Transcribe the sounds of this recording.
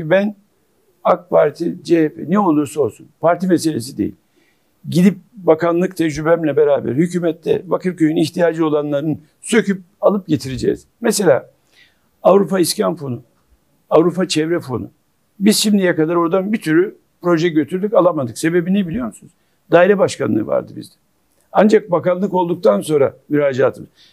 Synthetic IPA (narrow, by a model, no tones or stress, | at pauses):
ybæn | ak̚pʰaɾt̪ʰid͡ʒehɛpɛnɛo̞lˠuɾsuo̞lˠsunpaɾt̪imese̞lʲes̬id̪ḛḭlʲ | ɟid̪ip̚bakanlˠɯkt̪ʰɛd͡ʒɾybɛmlʲɛbeɾaːbæ̰ɾhycyːmɛt̪ʰːɛ̰vakʰɯɾcøjyniçt̪ʰijaːd͡ʒɯo̞lˠanlˠaɾɯn | sø̞cʰyp̚alˠɯp̚ɟe̞t̪ʰiɾed͡ʒɛ̰ːz̥mɛse̞lʲa̰ː | avɾupaiscanfo̞nu | avɾupat͡ʃʰɛvɾɛfo̞̰nṵ | biz̥ʃimd̪ijɛkad̪aɾo̞ɾd̪anbit̪ʰyɾy | pɾo̞ʒɛɟø̞t̪ʰyɾd̪icalˠamad̪ɯkse̞be̞binɛbilʲijo̞ɾmsunuz | d̪aːiɾɛbaʃkanˠɯ̰ːva̰ɾd̪ɯbḭzd̪ɛ | and͡ʒak̚bakanlˠɯko̞lˠd̪uk̚t̪ʰanso̞nɾa̰myɾaːd͡ʒaːt̪ʰɯmz